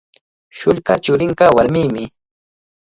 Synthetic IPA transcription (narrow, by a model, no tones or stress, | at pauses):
ʃʊʎkat͡ʃʊɾɪɴkɑwaɾmiːmɪ